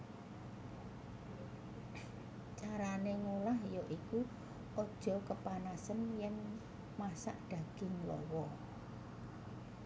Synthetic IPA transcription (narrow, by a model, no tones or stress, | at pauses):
t͡ʃaɾaneŋulahjɔʔiku | ɔd̥ʒ̥ɔ̤kəpanasənjɛŋ | masa̰ʔd̥ä̤ɡ̥ɪ̤ŋlɔ̰wɔ